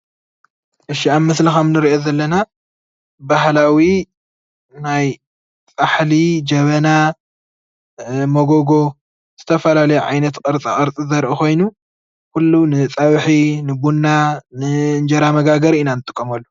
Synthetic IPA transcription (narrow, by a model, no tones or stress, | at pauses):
ʔɨʃiammːɐslixɐmnɨɾiʔozɐlːɐna | baɦlawi | naj | t͡sʼaħlid͡ʒɐβɐna | moɡoɡo̞ | z̥ɨt̪ʰɐfɐlalɐjuʕa̰jnɐt̪qʼɐɾt͡sʼikʼɐɾt͡sʼizɐɾʔuxo̞jnu | kulːunɨt͡sʼɐβħinɨbunːanɨnd͡ʒɐɾamɐɡaɡɐɾiʔɨnanɨt̪ʼɨkʼːɐmɐlːu̥